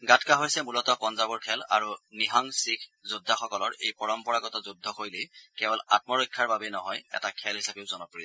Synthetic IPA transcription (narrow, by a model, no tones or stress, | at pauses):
ɡatʰkaɦojsɛmulɔtɔkɔnzabɔɹkʰɛla̰ɹuniɦɔŋsikʰzudʱːaxɔkɔlɔɹḛjpɔɹɔmpɔɹaɡɔtɔzudʱːɔkojlekɛbɔla̰t̚mɔɹojkʰːaɹbabɛnɔɦɔjɛ̰takʰɛlɦisabeʊzɔnɔpɹi